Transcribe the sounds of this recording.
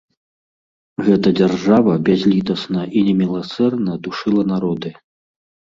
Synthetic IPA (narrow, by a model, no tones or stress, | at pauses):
ɣɛt̪ɐd͡zʲarʐavɐbʲazʲlʲit̪ɐsnɐʔinʲɛmʲilˠasɛrnɐd̪uʂɨlˠɐnaɾɔd̪ɨ